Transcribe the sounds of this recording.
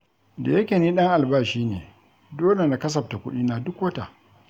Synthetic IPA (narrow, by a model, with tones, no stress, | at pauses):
da̰˨jɐ˦kʲeː˨niː˦ɗɐ˦ŋʔa˨lbaː˦˨ʃiː˦nḛː˨ | doː˦le˨na˨kɐ˦s̬ɐ˨p̚ta˨kʷʊ̰˦ɗiː˦naː˨dʊ˦kwɐ˦ta̰˨ʔ